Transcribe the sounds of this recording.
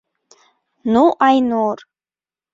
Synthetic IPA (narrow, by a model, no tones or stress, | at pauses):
nuʔajnor